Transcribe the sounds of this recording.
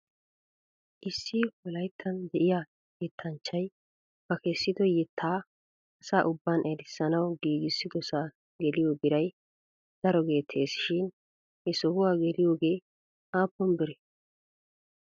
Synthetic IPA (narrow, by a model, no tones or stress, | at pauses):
ʔɪsːɪwɔlɐjt̪ʰːɐnd̪ɛʔɪja | jɛt̪ʰːɐnt͡ʃːɐj | b̥ɐkeːsːɪd̪ɔjɛt̪ʰːaː | ɐsaːʔʊbːanʔɛɾɪsːɐnɐwɡiːɡɪsːɪɡ̪ɔsaː | ɡɛlɪjobɪɾɐj | d̪̥ɐɾɔɡe̞ːt̪ʰːe̞ːsʃɪn | hɛsɔhʊwaːɡɛlɪjoːɡe̞ː | ʔaːpːɔmbɪɾɛ